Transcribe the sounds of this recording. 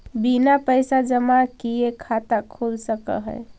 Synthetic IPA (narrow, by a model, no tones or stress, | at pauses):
binapəjsad͡ʒəmakiekʰat̪akʰulsəkə̰ɦə̰ɪ